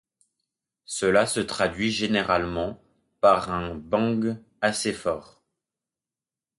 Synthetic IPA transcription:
səlasət̪χad̪ɥiʒeneʁalmɑ̃ | paʁɛ̃bɑ̃ɡ | asefɔːʁ

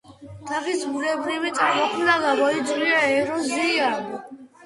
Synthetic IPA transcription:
t̪ʰaχisbuɾɛbɾivit̪sʼaɾmɔqʰmnaɡabɔid̪zuliaɛɾɔziam

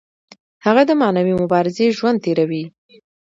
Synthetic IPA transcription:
haɣad̪əmɑnawimʊbɑɾɪzeʒwand̪̚t̪eɾawi

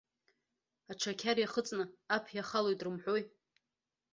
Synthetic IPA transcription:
aʈ͡ʂʰakʲʰarjaχət͡sʼnɨapʰjaχalojtʼrɨmħʷoj

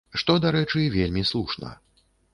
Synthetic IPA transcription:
ʂt̪ɔd̪aɾɛt͡ʂɨvʲelʲmʲislˠuʂnɐ̰

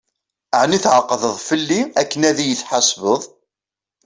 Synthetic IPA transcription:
əʕniθʕəqːðəðˤfəlːiækːənæðijəθħɑsvəðˤ

